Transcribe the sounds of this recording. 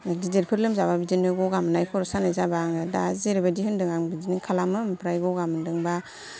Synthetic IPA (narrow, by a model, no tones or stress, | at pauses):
dizeɾpʰɯɾlɯmzababizinɯɡɔɡamɯnajkʰɔɾɔsanajzabaŋɯdazeɾibadihɯndɯŋaŋbizinɯkʰalamɯmpʰɾajɡɔɡamɯndɯŋba